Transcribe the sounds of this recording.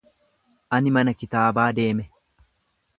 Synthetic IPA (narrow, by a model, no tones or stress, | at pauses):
ʔɐnɪmɐnɐkɪt̪aːbaːd̪e̞ːmɛ